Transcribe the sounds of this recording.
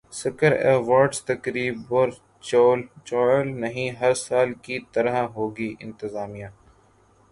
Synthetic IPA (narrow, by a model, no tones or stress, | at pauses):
sɪkəɾɛ̰ːʋaːɾɖst̪ɐkɾiːbɔːɾ | t͡ʃɔːlt͡ʃɔːlnɐɦĩɦɐɾsaːlkit̪ɐɾaɦoːɡiːʔɪ̰̃nt̪ɪzaːmijãː